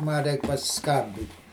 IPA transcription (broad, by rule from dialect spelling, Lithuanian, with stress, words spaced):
ˈmɐ ˈrʲɛɪk pɐsʲɪˈskɐmʲbʲɪtʲ